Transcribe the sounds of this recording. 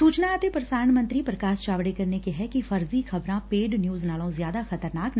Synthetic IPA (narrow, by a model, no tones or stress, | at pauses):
suːt͡ʃnaːt̪epɾɐsaːɾəɳmɐ̃nt̪ɾipɾɐkaːst͡ʃaːʋɽekɐɾnekeɦɛkifɐɾzixʰɐbɾãpeːɖnjuːznaːlõzjaːd̪axɐt̪əɾnaːkn